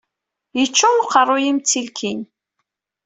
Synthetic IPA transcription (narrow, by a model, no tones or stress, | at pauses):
jət͡ʃːuqərˤːʊjimt͡sːilkʰin